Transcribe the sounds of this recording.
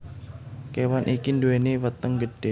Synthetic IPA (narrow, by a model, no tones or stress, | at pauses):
kewanʔikind̪uwenewət̪əŋɡəɖ̥e